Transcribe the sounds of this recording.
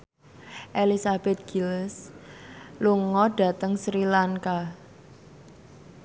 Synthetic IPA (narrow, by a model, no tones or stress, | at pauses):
ʔelisab̥ɛt̪̚ɡ̥ils | luŋɔd̥a̤t̪əŋsɾilaŋka